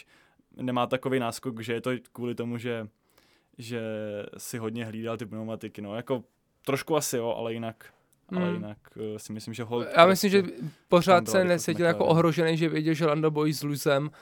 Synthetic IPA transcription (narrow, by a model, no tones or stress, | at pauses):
nɛmaːt̪akovejnaːskokʒɛjɛt̪okʋuːlɪt̪o̞muʒɛ | ʒɛsɪɦodɲɛɦliːdalt̪ɪpnomat̪ɪkɪnojako | t̪ɾoʃkuasɪjoʔa̰lɛjɪnak | ʔaɛjɪnaksɪmɪslɪmʒɛɦoljaːmɪslɪmʒɛpo̞r̝aːt̪sɛnɛsɛɪljakoʔoɦɾoʒɛnɛjʒɛvjɛɟɛlʒɛɾandobojiːzluzɛm